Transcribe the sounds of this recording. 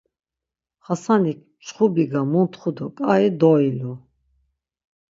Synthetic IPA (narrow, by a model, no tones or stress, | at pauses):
χasanikʰt͡ʃχubiɡamunt̪ʰχud̪ɔkʼaid̪ɔilu